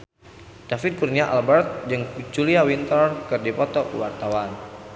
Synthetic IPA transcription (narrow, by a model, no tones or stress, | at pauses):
d̥afit̪̚kurniaʔalbɛrt̪̚d͡ʒɨŋt͡ʃuliawint̪ɔrkɨrdipɔt̪ɔwart̪awan